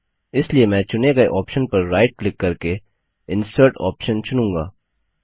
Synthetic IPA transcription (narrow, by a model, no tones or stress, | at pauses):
ɪsliemɛ̃ːt͡ʃʊneɡɐeʔɔːpʃənpɐɾːaːɪʈ̚klɪkːɐɾke | ɪ̃nsəːɾʈɔ̰ːpʃə̃nt͡ʃʊnũːŋɡa̰ː